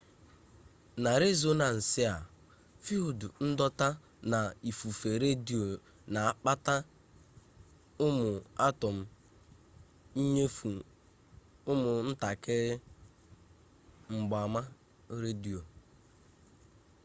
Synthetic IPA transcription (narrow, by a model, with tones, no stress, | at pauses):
na˨ɾɪ˦zo˦na˨n̩˨sɪ˦a˨ | fi˦o˨dʊ˨n̩˦dɔ˦ta˦ | na˨i˨fu˨fe˨ɾe˦di˨o˨ | na˨a˨k͡pa˦ta˦ | ʊ˦mʊ˨a˦tɔ˨m̩˦ | i˦ɲe˦fu˨ | ʊ˦mʊ˨n̩˦ta˨kɪ˦ | ŋ͡m̩˨ɡ͡bɔ˨a˨ma˦ | ɾe˦di˨o˨